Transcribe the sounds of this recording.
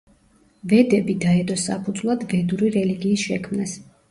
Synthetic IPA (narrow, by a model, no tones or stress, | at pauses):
vɛd̪ɛbid̪aɛt̪ʼɔsa̰pʰud̪zvlˠad̪vɛd̪uɾiɾɛliɡiːsʃɛkʰmnas